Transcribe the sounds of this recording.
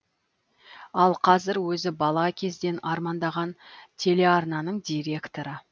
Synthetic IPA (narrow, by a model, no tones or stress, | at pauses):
ɑlˠqʰɑzɪɾwɵzɪbɑlˠɑkʲʰe̞zd̪e̞nɑɾmɑnd̪ɑʁɑnt̪ʰe̞le̞ɑɾnɑnəɴd̪ʲijɾʲe̞kt̪o̞ɾə